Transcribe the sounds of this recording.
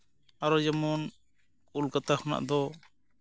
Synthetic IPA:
aɾɔd͡ʒɛmɔn | ulkat̪ahɔna̰ʔd̪ɔ

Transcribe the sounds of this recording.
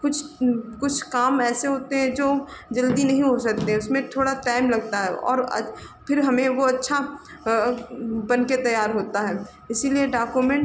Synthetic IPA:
kʊt͡ʃʰkʊt͡ʃʰkaːmɛːseɦoːt̪eɦɛ̃d͡ʒoːd͡ʒɐld̪inɐɦĩɦosɐk̚t̪eɦɛ̃ʊsmẽt̪ʰoːɽaʈaːɪmlɐɡ̚t̪aɦɛʔɔ̰ːɾɐ̰ | pʰɪɾɦɐmẽʋoɐtːʃʰa | bɐnket̪ɐjaːɾɦoːt̪aɦɛː | ɪsilieɖaːkumẽɳʈ

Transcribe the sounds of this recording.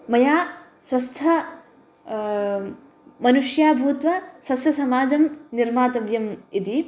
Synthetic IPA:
mɐjaː | swɐst̪ʰɐ | mɐnuʂjaːbʱuːt̪ʋɐswɐsjɐsɐmaːd͡ʒɐmniɾmaːt̪ɐbjɐmit̪i

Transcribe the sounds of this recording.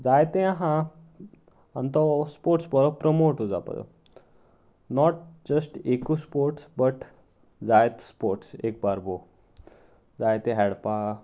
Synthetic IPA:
d͡zajt̪ẽaɦã | ant̪ɔspoɾʈsbɔɾɔpɾəmoʈod͡za̰pa̰dɔ̰ | nɔʈ̚d͡ʑəsʈekuspoɾʈsbəʈ | d͡zajt̪spoɾʈsek̚baɾbo | d͡zajt̪ẽɦɛɽpa

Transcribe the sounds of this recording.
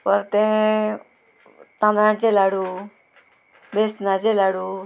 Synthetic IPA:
pəɾt̪ẽ | t̪ãːnd̪ãt͡ʃelaːɽu | besnãt͡ʃelaːɽu

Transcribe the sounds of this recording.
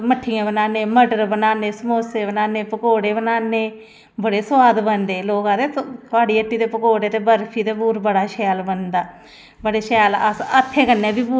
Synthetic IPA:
məʈʰːɪjãːbənaːneːməɖəɾbənaːneːsəmoːseːbənaːneːpəkoːɽeːbənaːneː | bəɽeːswaːd̪bənd̪eːloːkãːd̪eːk̪oaːɽiːəʈːiːt̪eːpəkoːɽeːt̪eːbəɾpʰiːt̪eːbuːɾbəɽaːʃɛːlbənd̪aː | bəɽeːʃɛːləsət̪ʰːẽːkənːẽːbiːbuː

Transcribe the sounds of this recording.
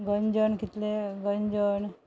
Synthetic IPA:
ɡənd͡ʒəɳkit̪leɡəɲd͡ʒəɳ

